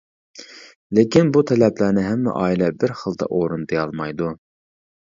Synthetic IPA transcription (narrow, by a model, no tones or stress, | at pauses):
lekʲinbut̪ʰɛlɛplænɪɦɛmːɛ̰ʔɑːilɛbɪɾχəlˠd̪ɑ̰ʔoɾund̪ejɑlˠmɑjd̪u